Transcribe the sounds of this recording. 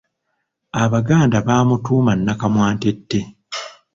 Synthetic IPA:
aβaɡaːndaβaːmutuːmanːakamwaːnte̞tːe̞

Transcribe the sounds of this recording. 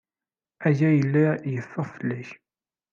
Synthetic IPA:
æjæjəlːæjəfːəʁfəlːæç

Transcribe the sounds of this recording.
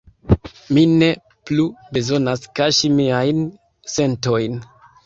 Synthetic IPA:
mine̞ | plube̞zo̞naskaʃimiajn | se̞nto̞jn

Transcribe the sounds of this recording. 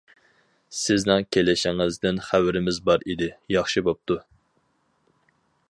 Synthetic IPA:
sɪznɪŋkʲʰelɪʃɪŋɪzd̪ɪnχæwɾɪmɪzbɑɾʔid̪ɪjɑχʃibop̚t̪ʰu

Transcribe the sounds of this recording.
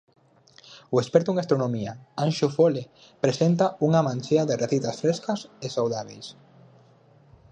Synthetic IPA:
ʊespɛɾt̪ʊeŋast̪ɾonomiaanʃofole | pɾesent̪auŋamãnʲt͡ʃeaðereθit̪asfɾeskɐsesawðaβ̞ejs

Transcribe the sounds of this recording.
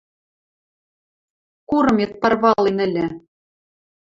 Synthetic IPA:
kuɾɤ̆met̪̚pɑrβɑlˠinɘ̆lʲɘ̆

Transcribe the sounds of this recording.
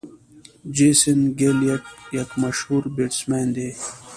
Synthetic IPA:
d͡ʑesinɡeljɐʈ̚jɐkmɐʃhuːɾbiʈsmeːnd̪e

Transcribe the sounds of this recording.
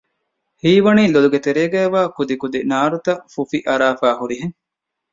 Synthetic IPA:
hiːʋɐniːloluɡet̪eɾeːɡæːʋaːkud̪ikud̪inaːɾut̪ɐfufiʔɐɾaːfaːɦuɾiɦeŋ

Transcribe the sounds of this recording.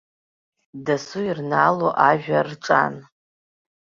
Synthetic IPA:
dasuirnaloʔaʒᶣarʈ͡ʂʼa̰n

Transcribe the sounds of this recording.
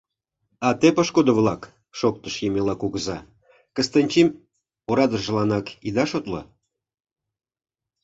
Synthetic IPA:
ɑt̪epɑʃkod̪ə̆vlˠɑk | ʃok̚t̪əʃjemʲelɑkuɣəzɑ | kə̆st̪ənʲt͡ɕim | oɾɑd̪əʒə̆lˠɑnɑkid̪ɑʃot̪lɤ̰

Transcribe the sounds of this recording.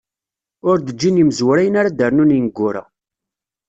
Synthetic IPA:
ʊɾd̪əd͡ʒːiniməzwɾæjənaɾad̪əɾnuninəɡʷːʊɾa̰

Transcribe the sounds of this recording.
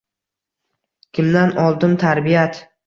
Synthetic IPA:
kʲʰɪmd̪anɒlˠd̪ɪmt̪ʰaɾbijat̪

